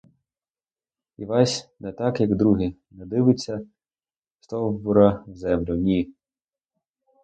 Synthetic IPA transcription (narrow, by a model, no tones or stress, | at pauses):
iʋɑsʲnɛt̪ɑkjɐɡd̪ɾuɦʲinɛd̪ɪʋɪt͡sʲːɐ | st̪ɔwbʊɾɐwzɛmlʲʊnʲi